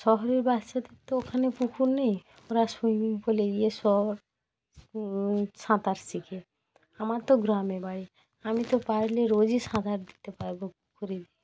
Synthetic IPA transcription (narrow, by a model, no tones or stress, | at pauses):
ʃɔɦɔɾeɾbatʃat̪ekt̪ookʰanepukʰuɾnej | oɾasunipoleiesɔɦɾ | sãt̪aɾsikʰe | amaɾt̪ɔɡɾamebʱai | amit̪opaɾleɾod͡ʑisãd̪ʱaɾd̪i̥t̪epaɾbopukʰuɾedi